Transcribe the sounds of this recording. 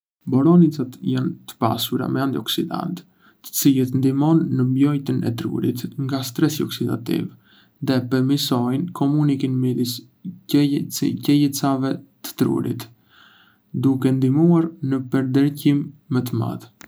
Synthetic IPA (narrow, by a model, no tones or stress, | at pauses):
bɔɾɔnit͡sat̪jant̪ə̥pa̰suɾa̰mɛand̪iɔksid̪a̰nt̪ | t̪ːə̥t͡silɛt̪nd̪imɔnːəmbjɔjt̪ənɛ̰t̪ɾṵɾit̪ŋɡast̪ɾɛsiɔksid̪a̰t̪ḭv | ðɛpəɾmisɔjnkʰɔmunikinmid̪is | t͡scɛjət͡savɛt̪ə̥t̪ɾṵɾḭt̪ | d̪ukɛnd̪imuaɾnəpəɾd̪əɾcimːət̪̬əma̰t̪